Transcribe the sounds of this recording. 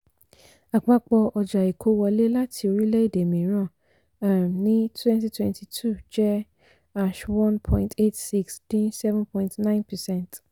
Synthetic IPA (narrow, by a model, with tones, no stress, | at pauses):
a˨k͡pa˦k͡pɔ˧ʔɔ˧d͡ʒa˨e˨kʰo˦wɔ˧le˦la˦tʰi˧o˧ɾi˦lɛ˦i˦˨de˨mĩ˨ɾ̃ã˦˨ | a˨mnĩ˦tʰwɛ̃˦nti˦twɛ̃˧ntʰi˨tʰu˦˨d͡ʒɛ˦ | a˧ʃwɔ̃˦npʰɔ̃˦ĩnte˦tsi˦ksd̥ĩ˦nsɛ˦vɛ̃˦npʰɔ̃˦ĩntnã˦ɪ̃˦npɛ˨sɛ̃˦nt